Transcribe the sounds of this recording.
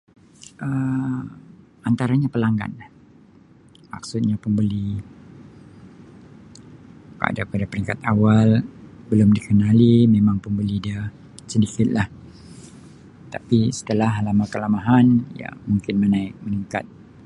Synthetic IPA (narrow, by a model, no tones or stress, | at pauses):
ʔə | ant̪aɾaɲapəlaŋɡa̰nah | ma̰ksut̪̚ɲapəmbəli | ka̰dapadapəɾiŋkat̪̚awalbəlʊmdikənalimemaŋpəmbəlidia | sədikɪt̪̚lah | t̪apisə̥t̪əlahlamakəlamaɦanja̰muŋkɪnmənaɪk̚məniŋka̰t̪̚